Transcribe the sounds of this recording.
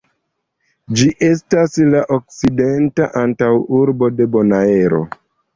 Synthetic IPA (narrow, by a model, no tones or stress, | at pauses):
d͡ʒiʔe̞staslaʔok̚side̞ntaʔantawuɾbo̞de̞bo̞nae̞ɾo̞̰